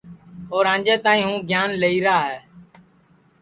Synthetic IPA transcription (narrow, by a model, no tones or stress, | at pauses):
oːɾãːnd͡ʒeːt̪aːĩːɦũːɡʱjaːnləiːɾaːɦɛː